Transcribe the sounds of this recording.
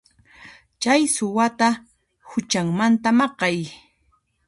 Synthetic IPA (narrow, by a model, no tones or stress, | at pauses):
t͡ʃajsʊwat̪a | hʊt͡ʃaŋmant̪amɑqɑj